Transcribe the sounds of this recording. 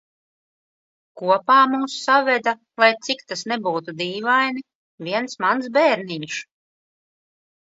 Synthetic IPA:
kuɔpaːmuːsːavɛd̪a | lˠajt̪sikt̪asnɛbuːt̪ud̪iːvajni | vʲiɛnsmansbɛːɾniɲʃ

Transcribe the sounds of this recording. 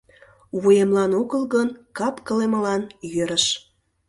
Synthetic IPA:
βujemlɑnoɣəlɣənkɑpkəleməlɑnjøɾəʃ

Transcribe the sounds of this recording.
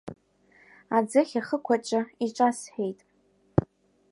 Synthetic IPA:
ad͡zɨχʲaχəkʷʰat͡ʃʷʼaiʈ͡ʂʷʼasħᶣejtʼ

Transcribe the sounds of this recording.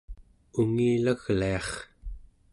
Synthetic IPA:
uŋiːlaɣliɑχ

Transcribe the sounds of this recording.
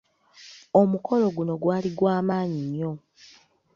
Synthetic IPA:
o̞mukʰo̞lo̞ɡuno̞ɡwaːliɡwaːmaːɲiɲːo̞

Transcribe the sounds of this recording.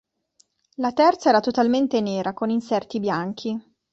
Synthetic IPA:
lat̪ɛrt̪saɛːɾat̪ot̪alment̪eneːɾʔakoninsɛrt̪ibjaŋk̟ʰi

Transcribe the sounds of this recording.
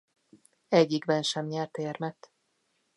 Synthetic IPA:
ɛɟːiɡbɛnʃɛmɲɛrt̪eːrmɛt̪

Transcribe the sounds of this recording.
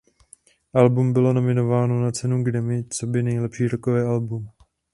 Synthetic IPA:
ʔalbumbɪlo̞no̞mɪno̞vaːno̞nat͡sɛnuɡdɛmɪt͡so̞bɪnɛjlɛpʃiːɾokovɛːʔalbum

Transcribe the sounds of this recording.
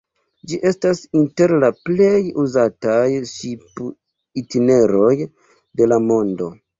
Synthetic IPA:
d͡ʒiʔe̞stasinte̞ɾlaple̞juzatajʃip | itine̞ɾo̞j | de̞lamo̞ndo̞

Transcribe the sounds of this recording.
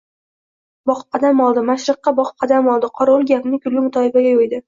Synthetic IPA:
bɒχp̚qʰɑd̪amɒlˠd̪ɪmaʃɾɨqːɑbɒqp̚qʰɑd̪amɒlˠd̪ɪqʰɒɾolˠɡʲapnɪkʰʲʊlːɪmʊt̪ʰɒɪbaɡʲajojd̪ɪ

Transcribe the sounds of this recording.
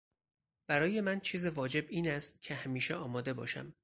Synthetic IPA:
b̥æɾɒːje̞mænt͡ʃʰiːzevɒːd͡ʒe̞biːnæst̪cʰe̞hæmiːʃeɒːmɒːd̪e̞bɒ̰ːʃæ̰m

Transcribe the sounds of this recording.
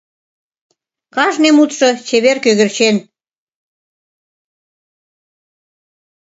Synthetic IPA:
kɑʒnemut̪ʃŏt͡ɕeβerkøɣə̆rt͡ɕen

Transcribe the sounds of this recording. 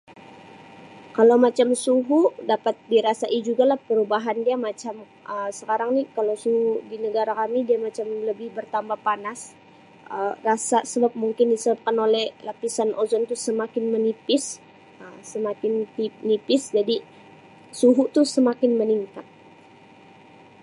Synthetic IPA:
kalawmat͡ʃamsuɦudapat̪̚diɾasaʔid͡ʒuɡalahpəɾubaɦandiamat͡ʃam | əsəkaɾaŋnikalawsuɦudinəɡaɾakamidiamat͡ʃamləbɪhbərt̪ambahpanas | ərasasəbap̚muŋkɪndisəbap̚kanolɛhlapisanʔozɔnt̪ʊsəmakɪnmənipɪs | əsəmakɪnt̪inipɪsd͡ʒadi | suɦut̪ʊsəmakɪnməniŋkat̪̚

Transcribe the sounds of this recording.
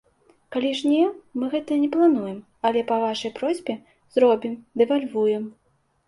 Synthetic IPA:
kalʲiʐnʲɛmɨɣɛt̪ɐnʲɛplˠanujɛm | ɐlʲɛpɐvaʂɐjpɾɔzʲbʲɛ | zɾɔbʲimd̪ɛvalʲvujɛm

